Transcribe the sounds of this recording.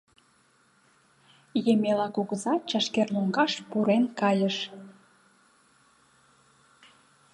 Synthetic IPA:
jemelɑkuɣəzɑt͡ɕɑʃkerluŋɡɑʃpuɾenkɑjəʃ

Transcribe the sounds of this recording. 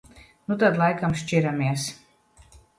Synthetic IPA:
nut̪̬ad̪lˠajkamʃt͡ʃʲiɾamʲiɛs

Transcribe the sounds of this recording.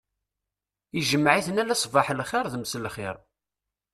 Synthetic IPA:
iʒəmːʕiθənælæsˤvɑħlχɪɾˤðəmslχɪ̰ɾˤ

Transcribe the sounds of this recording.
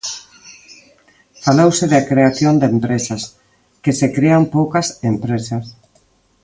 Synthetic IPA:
falowsɪðakɾeaθjond̪empɾesɐs | kesekɾeampowkɐsempɾesas

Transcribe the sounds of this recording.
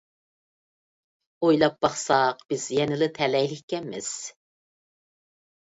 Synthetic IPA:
ojlˠɑp̚b̥ɑχsɑqb̥ɪz̥jɛnɪlɪt̪ʰɛlɛjlɪkʲkʲɛnmɪ̰z̥

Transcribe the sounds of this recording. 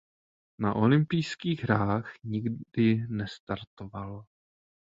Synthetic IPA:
naʔo̞lɪmpijskiːɣɦɾaːxɲɪɡd̥ɪnɛst̪aɾt̪oval

